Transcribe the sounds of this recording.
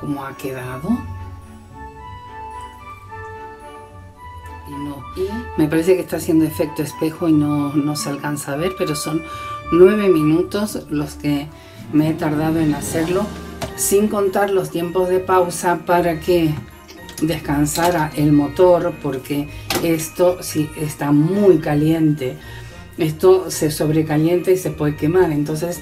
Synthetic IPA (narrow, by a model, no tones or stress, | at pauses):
ko̞moake̞ðaðo̞ | nome̞paɾe̞se̞kest̪asje̞nd̪o̞e̞fe̞k̚t̪oe̞spe̞xoinono̞sealkansaβ̞e̞ɾpe̞ɾo̞so̞nːwe̞β̞e̞mĩnut̪o̞slo̞ske | meet̪aɾðaðoe̞nase̞ɾlo̞siŋko̞nt̪aɾlo̞st̪je̞mpo̞zðe̞pawsapaɾake | d̪e̞skansaɾaʔe̞lmo̞t̪o̞ɾpo̞ɾke̞est̪o̞siest̪amujkalje̞nt̪e̞ | e̞st̪o̞se̞so̞βɾe̞kalje̞nt̪eise̞pwe̞ðeke̞maɾe̞nt̪o̞nse̞s